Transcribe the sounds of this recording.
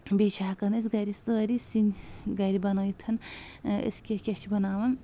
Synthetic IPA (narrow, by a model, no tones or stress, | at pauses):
bet͡ʃʰaːkɐnes̬ɡɐɾisɨɣɐɾisinɡɐɾibɐnojt̪ʰɐnḛskʲekʲɐt͡ʃʰibɐnaːʋɐn